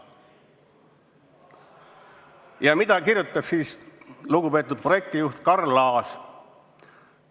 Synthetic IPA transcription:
jɑmid̪̥ɑkiɾjut̪ːˑɑb̥siːsluɡupe̞ːt̪ːˑud̪̚projek̚t̪ijuht̪kɑrlɑːs

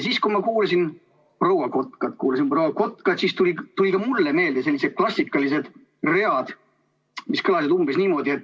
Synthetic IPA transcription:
siskumɑkuːlɑsin | prowɑko̞t̪ˑkɑt̪kuːlɑs̬inprowɑko̞t̪kɑd̪̥sist̪ulʲit̪ulʲikɑmulːeme̞ːld̪ese̞lːised̪̥̚klɑsʲːikːˑɑlis̬e̞d̪̥ | re̞ɑd̪̥ | miskɤlɑsid̪umbisniːmo̞d̪ie̞t̪ːˑ

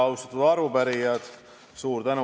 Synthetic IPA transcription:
ɑwst̪ɑ̥t̪ːˑud̪ɑɾvubæɾijɑd̪ | suːɾd̪ænu

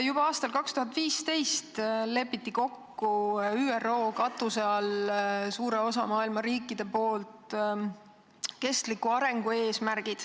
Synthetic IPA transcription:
jub̥ɑɑːst̪ɑlkɑkst̪uɦɑt̪ːˑviːst̪e̞jst̪le̞pːit̪ːiko̞kːuyːero̞ːkɑt̪ˑuseɑlsuːɾe̞o̞sɑmɑːilmɑɾiːkːˑid̪̥e̞po̞ːlt̪ | ke̞st̪likːˑuɑɾe̞ŋɡ̥ue̞ːsmæɾɡ̥id̪̥

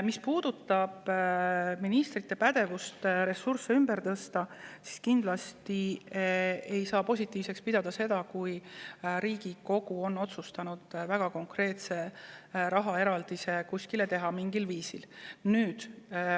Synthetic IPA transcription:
mispuːd̪̥ut̪ːˑɑb̥ | minist̪rit̪ːe̞pæd̪̥e̞vust̪ɾe̞sursːeymb̥e̞ɾt̪ɤst̪ɑsi̥skind̪̥lɑst̪i | e̞jsɑːpo̞sʲit̪ːˑiːvse̞kspid̪ɑd̪̥ɑse̞d̪̥ɑkujɾiːɡ̥iko̞ɡ̥uo̞nːo̞t̪sust̪ɑnud̪̥væɡ̥ɑko̞ŋkre̞ːt̪se̞ɾɑɦɑe̞ɾɑld̪̥ise̞kusʲkile̞t̪e̞ɦɑmiŋɡ̥ilviːsilnyːd̪̥

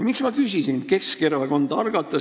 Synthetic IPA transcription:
miksmɑkysisinke̞skerveko̞nd̪ɑɑrɡ̥ɑt̪ːˑɑ

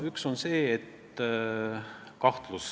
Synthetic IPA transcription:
ykso̞nse̞ːet̪ | kɑht̪lus

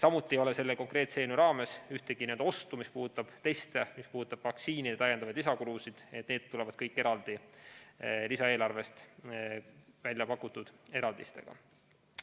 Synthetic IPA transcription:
sɑmut̪ːˑiejo̞le̞se̞lːeko̞ŋkre̞ːt̪se̞ːnuɾɑːme̞syht̪e̞ɡ̥iniend̪ɑo̞st̪umispuːd̪ut̪ːˑɑb̥t̪e̞jst̪emispuːd̪ut̪ːɑb̥vɑksiːnid̪et̪ɑjːed̪̥ɑvɑjd̥̪lisɑkulusid̪̥et̪̚ne̞ːt̪t̪ːulɛvɑd̪̥̚kɤjkːˑe̞ɾɑld̪̥i | lisɑe̞ːlɑrve̞st̪ | vælʲjɑpɑkːˑut̪ːud̪̥e̞ɾɑld̪ḭst̪e̞̰ɡ̥ɑ̰

